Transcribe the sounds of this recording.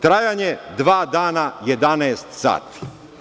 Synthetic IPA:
t̪ɾajaɲed̪ʋaːd̪aːnajed̪anaːst̪sa̰ːt̪i̥

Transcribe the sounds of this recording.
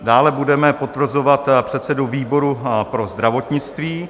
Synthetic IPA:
daːlɛbudɛmɛpo̞t̪vr̩zo̞vat̪pr̥ɛt̪sɛduviːbo̞ɾupɾo̞zd̪ɾavo̞t̪ɲɪt͡st̪viː

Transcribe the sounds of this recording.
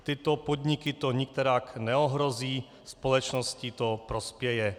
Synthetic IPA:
t̪ɪt̪opod̪ɲikɪt̪oɲɪk̚t̪ɛɾaknɛoɦɾoziː | spolɛt͡ʃnoscɪt̪opɾospjɛjɛ

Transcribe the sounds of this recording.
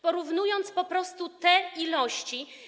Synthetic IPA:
pɔɾuvnujɔnt̪spɔpɾɔst̪ut̪ɛilɔɕt͡ɕi

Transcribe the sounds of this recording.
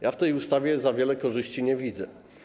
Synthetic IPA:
jaft̪ɛjust̪avʲɛzavʲjɛlɛkɔʐɘɕt͡ɕiɲɛvʲid̪zɛ

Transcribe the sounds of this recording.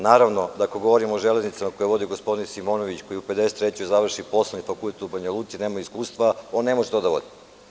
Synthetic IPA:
naːɾaʋno̞d̪akoɡo̞ʋo̞ɾimoːʒele̞znit̪samakojeʋo̞d̪iɡospo̞d̪insimoːnoʋit͡ɕko̞jiupe̞d̪eset̪ːɾe̞t͡ɕojzaʋr̩ʃipo̞slˠanifakult̪et̪ubaɲaluːt̪sine̞ːmaiskuːst̪ʋao̞ːnːe̞mo̞ʒet̪o̞d̪aʋo̞̰d̪i

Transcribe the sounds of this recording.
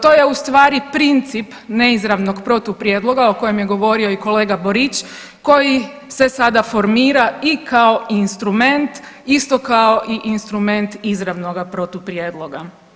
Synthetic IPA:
t̪o̞ːje̞ust̪ʋaːɾipɾint̪sip | ne̞izɾaʋno̞ɡpɾo̞t̪upɾjeːd̪lo̞ɡaoko̞je̞mje̞ɡo̞ʋo̞ɾio̞iko̞leːɡaboɾit͡ʃ | ko̞ji | sesad̪afo̞ɾmiːɾaikʰaoinst̪ɾume̞nt̪ | ist̪o̞kao̞ʔiʔinst̪ɾume̞nt̪izɾaʋno̞ɡapɾot̪upɾjeːd̪lˠo̞ɡa

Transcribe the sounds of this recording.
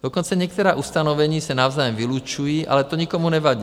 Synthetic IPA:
d̪ɔkɔnt͡saɲɪɛk̚t̪ɔɾaːʔust̪anɔʋɛɲiːsanaʊzaːjɔmʋiluːt͡ʃujiːʔa̰lɛt̪ɔɲikɔmuɲɛʋaɟiː

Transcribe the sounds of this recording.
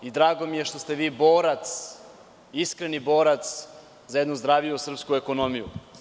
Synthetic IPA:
id̪ɾaːɡo̞mije̞ʃt̪o̞st̪eʋiːbo̞ːɾat̪s | iskɾenibo̞ːɾat̪s | zajed̪nuzd̪ɾaːʋʎijusr̩pskuekonomijṵ

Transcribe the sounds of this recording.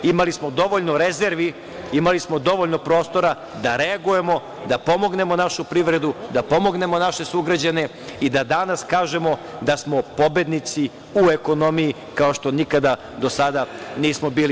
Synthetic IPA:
imalismo̞d̪o̞ʋoʎno̞ɾeze̞ɾʋi | imalismo̞d̪o̞ʋoʎno̞pɾo̞ːst̪o̞ɾa | d̪aɾe̞aɡuje̞mo̞ | d̪apo̞mo̞ɡne̞mo̞naʃupɾiʋɾe̞d̪ud̪apo̞mo̞ɡne̞mo̞naʃe̞suɡɾad͡ʑane̞ | id̪ad̪anaskaːʒe̞mo̞d̪asmo̞po̞be̞d̪nit̪si | ue̞ko̞no̞miji | kao̞ʃt̪o̞nikad̪a | d̪o̞sad̪aniːsmo̞biːli

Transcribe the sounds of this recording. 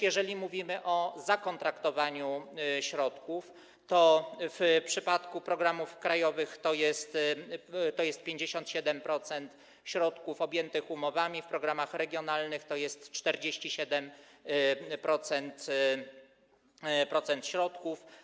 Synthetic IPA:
jɛʐɛlʲimuvʲimɘʔɔzakɔnt̪ɾakt̪ɔvaɲuɕɾɔt̪kuf | t̪ɔfpʂɘpat̪kupɾɔɡɾamufkɾajɔvɘxt̪ɔjɛst̪ | t̪ɔjɛst̪̚pʲjeɲd͡ʑeɕɔnt̪ɕɛd̪ɛmpɾɔt̪sɛnt̪ | ɕɾɔt̪kufɔbʲjɛnt̪ɘxumɔvamʲifpɾɔɡɾamaxɾɛɡʲjɔnalnɘxt̪ɔjɛst̪t͡ʂt̪ɛɾd͡ʑeɕt͡ɕiɕɛd̪ɛm | pɾɔt̪sɛnt̪ | pɾɔt̪sɛnt̪ɕɾɔt̪kuf

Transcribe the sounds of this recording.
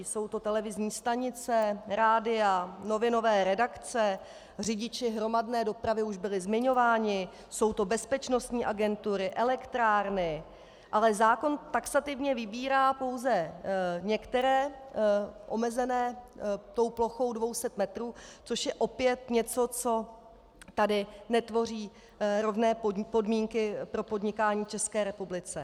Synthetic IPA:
so̞wt̪o̞t̪ɛlɛvɪzɲiːst̪aɲɪt͡sɛɾaːdɪano̞vɪno̞vɛːɾɛdakt͡sɛ | r̝ɪɟɪt͡ʃɪɦɾo̞madnɛːdo̞pɾavɪuʒbɪlɪzmɪɲo̞vaːɲɪ | so̞wt̪o̞bɛspɛt͡ʃno̞st̪ɲiːʔaɡɛnt̪uɾɪʔɛlɛkt̪ɾaːɾnɪ | ʔalɛzaːko̞nt̪aksat̪ɪvɲɛvɪbiːɾaːpo̞wzɛɲɛkt̪ɛɾɛː | ʔo̞̰mɛzɛnɛːt̪o̞wplo̞xo̞wdvo̞wsɛt̪mɛt̪ɾuːt͡so̞ʃjɛʔo̞pɪjɛt̪ɲɛt͡so̞t͡so̞ | t̪adɪnɛt̪vo̞r̝iː | ɾo̞vnɛːppo̞dmiːŋkɪpɾo̞po̞d̪ɲɪkaːɲiːt͡ʃɛskɛːɾɛpublɪt͡sɛ

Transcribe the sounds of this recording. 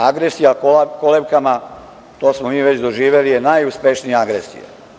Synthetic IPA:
aɡɾesijakolakoleʋkama | t̪o̞ːsmomiːʋet͡ɕd̪o̞ʒiːʋe̞lije̞najuspeʃnijaaɡɾesḭja̰

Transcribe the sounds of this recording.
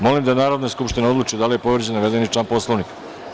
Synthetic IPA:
mo̞limd̪anaːɾod̪naskupʃt̪ineo̞d̪lˠuːt͡ʃid̪alijepo̞ʋr̩d͡ʑenaʋe̞d̪enit͡ʃanpo̞slˠoʋnik

